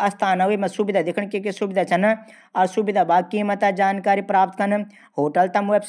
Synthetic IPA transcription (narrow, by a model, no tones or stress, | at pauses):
ɐst̪ʰaːnauimɐ̃subɪd̪ad̪ɪkʰəɳ̃kekesubɪd̪at͡ʃɐn | ɐɾsubɪd̪ʱabaːkiːmɐt̪ad͡ʒaːnkaːɾipɾaːp̚t̪kɐn | ɦoːʈɐlt̪ɐmʋebs